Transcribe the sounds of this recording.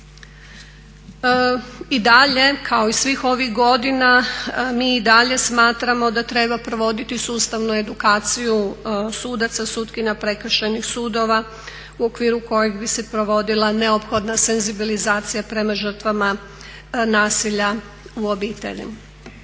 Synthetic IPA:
id̪aʎe̞kʰao̞isʋixo̞ʋiɣɡo̞d̪inamiːd̪aʎe̞smaːt̪ɾamo̞d̪at̪ɾe̞bapɾo̞ʋo̞d̪it̪isuːst̪aʋnue̞d̪ukaːt̪sijusuːd̪at̪sasuːt̪kiɲapɾe̞kr̩ʃe̞nixsuːd̪o̞ʋa | uo̞kʋiːɾuko̞jeɡbise̞pɾo̞ʋo̞d̪ilˠane̞o̞pxo̞d̪nase̞nzibilizaːt̪sijapɾe̞maʒər̩t̪ʋama | naːsiʎa | uo̞biːt̪e̞̰ʎḭm

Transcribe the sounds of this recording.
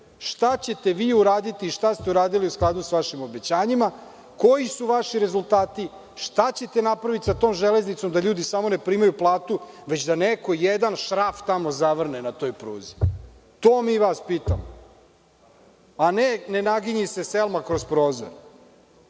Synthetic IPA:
ʃt̪at͡ɕe̞t̪e̞ʋiːuɾaːd̪it̪iːʃt̪ast̪euɾaːd̪iliusklˠaːd̪usʋaʃimo̞bet͡ɕaːɲima | ko̞jisuʋaʃiɾe̞zult̪aːt̪i | ʃt̪at͡ɕe̞t̪enapɾaʋit̪i̥sat̪o̞ːmʒele̞znit̪so̞md̪aʎuːd̪isamo̞ne̞pɾiːmajuplˠaːt̪u | ʋe̞t͡ɕd̪aneko̞jed̪anʃɾaft̪amo̞zaʋr̩nenat̪o̞jpɾuːzi | t̪oːmiʋaspiːt̪amo | anenenaɡiɲise̞selˠmakɾospɾo̞ːzo̰ɾ

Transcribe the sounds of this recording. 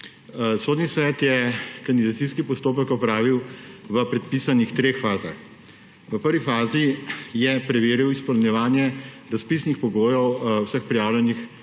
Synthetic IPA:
soːd̪nisʋɛːt̪jɛkand̪id̪at̪siskipɔst̪oːp̬əkɔpɾaːʋiwʋəpɾɛt̪piːsanixt̪ɾeːxfaːzax | ʋəpəɾʋifaːzijɛpɾɛʋeːɾiwispɔlnjɛʋaːnjɛ | ɾaspiːsnixpɔɡoːjɔwwsəxpɾijaːwlʲjɛnix

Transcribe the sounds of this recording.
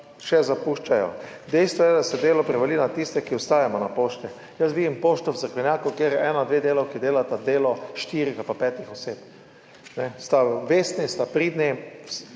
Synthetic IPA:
ʃɛzapuʃt͡ʃajɔ̰d̪ɛjst̪ʋɔjɛd̪asɛd̪eːlɔpɾɛʋɛlinat̪ist̪ɛkiɔst̪aːjamɔnapoːʃt̪ɛ | jəs̬ʋid̪impoːʃt̪ɔwzəɾklɛnjaːkukjeːɾjɛɛnaɔd̪ʋed̪eːlawkid̪eːlat̪ad̪eːlɔʃt̪iɾiɡapapɛːt̪ixɔseːp | nɛst̪aʋeːst̪nist̪apɾid̪nɛs

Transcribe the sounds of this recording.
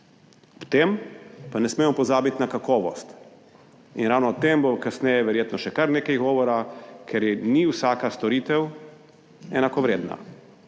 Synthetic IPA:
ɔpt̪empanɛsmɛmɔpɔzaːbit̪nakakɔːʋɔst̪ | inɾaːwnɔːt̪ːembokasnɛjɛʋɛɾjeːt̪nɔʃɛkaɾneːkɛjɡɔːʋɔɾakʰɛɾjɛniwsaːkast̪ɔɾiːt̪ɛw | ɛnakɔʋɾeːd̪na̰

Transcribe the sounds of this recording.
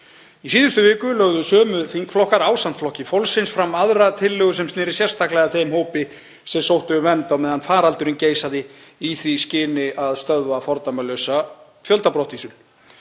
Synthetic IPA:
isiːðʏst̪ʏvɪːkʏlœɣðʏsœːmʏθiŋkflɔhkaɾaːwsant̪flɔhcɪfowlsɪnsfɾamːaðɾat̪ʰɪlːʏɣʏsɛmst̪nɪːɾɪsjɛr̥st̪aklɛɣaθejmhoːwpɪ | sɛmsowht̪ʏʏvɛnt̪awmɛðhanfaːɾalt̪ʏɾɪnceːjsaðɪ | iθviscɪːnɪʔaðst̪œðvafɔɾt̪amalœsa | fjœlt̪apɾɔht̪isʏl

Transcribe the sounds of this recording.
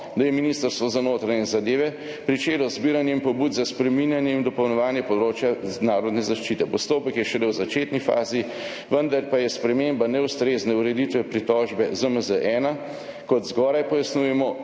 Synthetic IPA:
d̪ajɛminist̪əɾst̪ʋɔzanoːt̪ɾaɲɛzad̪eːʋɛ | pɾit͡ʃeːlɔzbiːɾanjɛinpɔbuːd̪zaspɾɛminjanjɛind̪ɔpəwnɔʋaːnjɛpɔd̪ɾoːt͡ʃjanaːɾɔd̪nɛzaʃt͡ʃit̪ɛpɔst̪oːpəkjɛʃɛlɛwzat͡ʃeːt̪nifa̰ːzi | ʋənd̪aɾpajɛspɾɛmeːmbanɛwst̪ɾeːznɛuɾɛd̪it̪ʋɛpɾit̪ɔːʒbɛzəməzəʔɛːna | kɔd̪zɡɔːɾajpɔjasnujɛmɔ

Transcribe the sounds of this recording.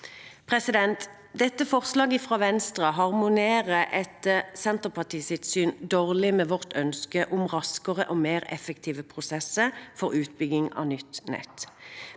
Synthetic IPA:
pʰʁɛsɪd̪ɛnt̪ | d̪ɛt̪ːəfɔʁslɑːɡəfʁɑːʋɛnst̪ʁɑɦɑʁmʊneːʁəʔɛt̪sɛnt̪əʁpɑʁt̪ʰiːsɪt̪syːnd̪oːʁlɪmeːʋɔʁt̪œnskəʔʊmʁɑskəʁəʔoːmeːʁɛ̰fəkt̪ʰiːʋəpʰʁʊsɛsəfɔʁʉːt̪̚bʏɡɪŋɑ̰ːʋnʏt̪nɛ̰t̪

